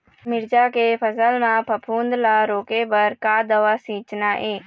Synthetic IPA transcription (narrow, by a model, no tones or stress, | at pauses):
mɪɾd͡ʒakepʰəsəlmãpʰəpʰuːnd̪laɾoːkebəɾkad̪əʋasĩːt͡ʃnaʔeː